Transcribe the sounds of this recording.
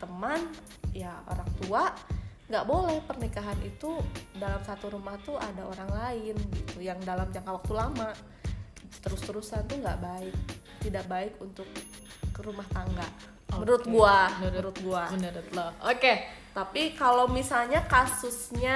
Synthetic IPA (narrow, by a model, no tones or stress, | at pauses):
t̪əman | jao̰ɾaŋt̪uaʔŋɡaʔbolɛhpərnikaɦanʔit̪udalamsat̪uɾumaht̪uadaoɾaŋlaɪnɡit̪ujaŋdalamd͡ʒaŋkawak̚t̪ulamḁ | t̪əɾʊst̪əɾusant̪uŋɡa̰ʔbaɪk̚ | t̪idak̚baɪkunt̪ʊk | rumaht̪aŋɡa | məɾʊt̪̚ɡuaəɾʊt̪̚ɡuaɾt̪loket̪apikalowmisalɲakasusɲa